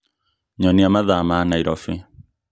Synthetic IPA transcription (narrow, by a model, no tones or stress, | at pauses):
ɲɔniamaðamanaiɾɔfi